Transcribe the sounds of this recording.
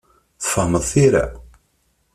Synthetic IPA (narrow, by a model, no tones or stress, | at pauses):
θə̥fəhməðˤθiɾa̰